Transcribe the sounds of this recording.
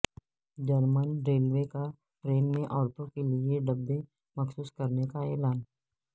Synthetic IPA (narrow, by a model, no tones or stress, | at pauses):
d͡ʒəɾmənɾeːlweka | pɾeːmmẽʔɔːɾt̪õkelieɖɐbːe | mɐxsuːskɐɾnekaɛːlaːn